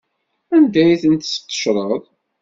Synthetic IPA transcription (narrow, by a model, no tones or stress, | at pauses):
ænd̪æjiθənt̪sə̥qːə̥ʃɾˤəðˤ